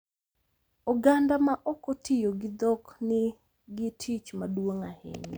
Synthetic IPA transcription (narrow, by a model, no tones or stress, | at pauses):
ɔɡandamaʔɔkɔtʰɪjoɡɪd̪ɔknɪ | ɡɪtʰit͡ʃmadwoŋahɪ̰ɲ